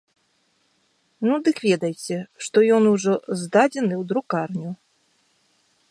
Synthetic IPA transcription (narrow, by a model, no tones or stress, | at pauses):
nud̪ɨkvʲɛd̪ɐjt͡sʲɛʂt̪ɔjɔnuʐɔzd̪ad͡zʲɛnɨwd̪ɾukarnʲu